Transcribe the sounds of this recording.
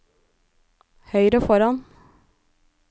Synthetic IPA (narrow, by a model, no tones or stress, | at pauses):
hœʏɾəfɔɾɑn